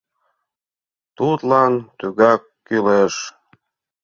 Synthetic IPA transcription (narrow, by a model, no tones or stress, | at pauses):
t̪ut̪lɑnt̪yɣɑkːyleʃ